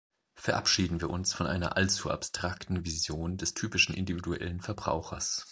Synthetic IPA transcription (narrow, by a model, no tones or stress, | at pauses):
fɛɐʔapʃiːdn̩viːɐʔʊnsfɔnʔa̰ɪnɐ̰ʔalt͡sua̰pstʁ̥aktn̩vizjoːndɛstʰyːpɪʃn̩ʔɪ̰ndividuʔɛ̰lənfɛɐbʁa̰ʊxɐs